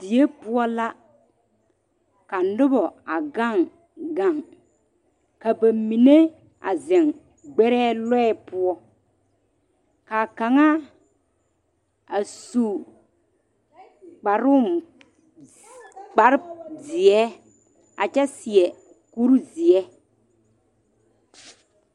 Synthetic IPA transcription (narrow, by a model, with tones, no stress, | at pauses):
d̥i˨je˦pʊ˦ɔ˦la˦ | ka˨nʊ˦bɔ˨a˨ɡa˦˨ŋ | ɡa˦˨ŋ | ka˨ba˨mi˨ne˦ | a˨zɛ˨ŋ | ɡ͡bɛ˦ɾɛː˦lɔ˦ɛ˦pʊ˦ɔ˦ | ka˨ka˨ŋa˦ | a˨su˨ | k͡pa˨ɾʊ˦m | k͡pa˨˦ɾzɪ˨ɛ˦ | a̰˨t͡ʃɛ˦si˨ɛ˨ | ku˦ɾu˦zi˨ɛ˦